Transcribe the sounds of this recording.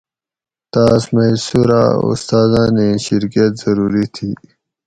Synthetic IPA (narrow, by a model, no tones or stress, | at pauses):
t̪aːsmɐisuɾa̰ṵst̪aːzãneɕiɾkijət̪z̥ɐɾuːɾit̪ʰiː